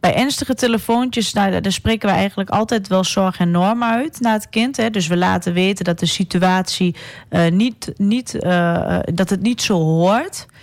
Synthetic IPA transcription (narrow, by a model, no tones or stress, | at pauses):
b̥ɛjʔɛnstəɣəteləfoːntjəsadasprɪkənʋəɛjɣəntləkɔ̰lˠtɛjtʋɛlˠsɔɹxɛnɔɹmœɥtnaətkɪntɦɛdøs̬ʋəla̰ːtəʋeːtəndɔt̚dəsityaːsinitnit | dɔtɦətnitsoːɦoərt